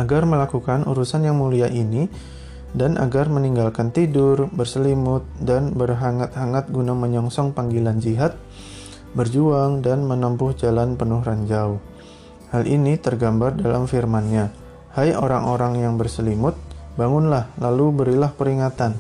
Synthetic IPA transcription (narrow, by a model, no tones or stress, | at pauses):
ʔaɡarməlakukanʔṵɾusanjaŋmuliaʔini | danʔa̰ɡarməniŋɡalkant̪idʊrbərsəlimʊt̪̚danbərɦaŋat̪̚haŋat̪̚ɡunaməɲɔŋsɔŋpaŋɡiland͡ʒiɦat̪̚ | bərd͡ʒuaŋdanmənampʊhd͡ʒalanpənʊhraɲd͡ʒauh | halʔinit̪ərɡambardala̰mfirmanɲa | hajoɾaŋoɾaŋjaŋbərsəlimʊt̪̚baŋʊnlahlalubəɾilahpəɾiŋat̪an